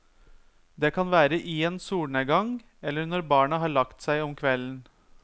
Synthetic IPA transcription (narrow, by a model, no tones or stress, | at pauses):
d̪eːkʰɑnʋæːɾəʔɪeːnsuːɳəɡɑŋ | ɛlːəɾɳɔɾbɑːɳəɦɑːɭɑkt̪sæɪɔmkʰʋɛln̩